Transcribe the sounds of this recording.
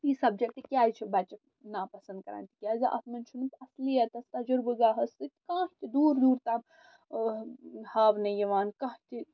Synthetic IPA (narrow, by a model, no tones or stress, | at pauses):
jisɐb̚d͡ʒɐt̪ikjaːjt͡ʃʰibɐt͡ʃɐ | naːpɐsɐ̃nd̪̚kɐɾa̰ːnt̪i̥kʲjaːzɐʔɐ̰t̪mɐnt͡ʃʰunut̪ɐslijɐt̪ɐst̪ɐd͡ʒʊɾbɨɡaːɦɐst̪it̪kãːɦt̪id̪uːɾd̪uːɾt̪a | haːbnɐjɐʋaːnkãːɦt̪i